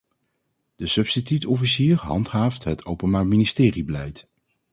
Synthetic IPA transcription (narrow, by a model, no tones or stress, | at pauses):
d̥əsɵpstitytɔfisiːɹɦɑ̰ntɦaːftɦətʰowpənbaːɹministɪːribəlɛjt